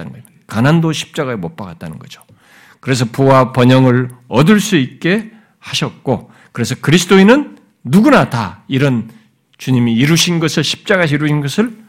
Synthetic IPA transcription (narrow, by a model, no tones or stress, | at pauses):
anɯɡʌ | kanandoɕʰi̥p̚t͡ɕ͈aɡaemop͈aɡat̚t͈anɯnɡʌd͡ʑo̥ | kɯɾe̞s̬ʰʌpuwapʌɲʌŋɯɾʌdɯɭs͈uit̚k͈e̞ | haɕʰʌt̚k͈o | kɯɾe̞sʰʌkɯɾisʰɯ̥t͈oinɯnː | uɡunataiɾʌn | t͡ɕuɲimiːɾuɕʰinɡʌsʰɯɭɕʰi̥p̚t͡ɕ͈aɡaɕʰiɾuɕʰinɡʌsʰɯɭ